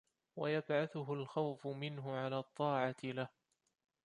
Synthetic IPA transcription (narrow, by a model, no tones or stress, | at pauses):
wajabʕaθʊɦʊlxawfʊmɪnɦʊʕalaːt̪ˤːɑːʕɑt̪ɪlah